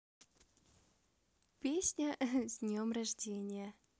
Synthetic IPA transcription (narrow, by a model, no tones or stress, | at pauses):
pʲesʲnʲəzʲdʲnʲomrɐʐdʲenʲɪjə